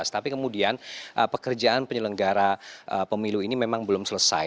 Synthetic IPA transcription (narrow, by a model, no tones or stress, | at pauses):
st̪apikəmudianʔəpəkərd͡ʒaanpəɲələŋɡaɾaʔəpəmiluinimemaŋbəlʊmsələsa̰